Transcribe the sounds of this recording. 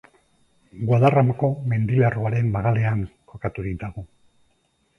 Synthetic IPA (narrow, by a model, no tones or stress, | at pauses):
ɡwaðaramako̞me̞nd̪ilaroaɾe̞mbaɣale̞aŋko̞kat̪uðit̪aɣu